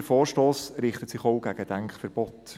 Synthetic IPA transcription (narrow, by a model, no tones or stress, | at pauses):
əfɔːɾʃtoːsɾɪχtətsɪχoʊɡ̥æɡ̥əd̥æŋkχfəɾb̥ɔt